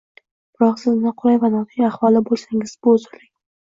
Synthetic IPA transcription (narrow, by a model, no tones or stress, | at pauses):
b̥ɪɾɒqsɪznnɪqʰʊɾajvanɒt̪ʰɪjaχwɒlˠɪbolˠsaŋɪzbʊːzɪlɪŋ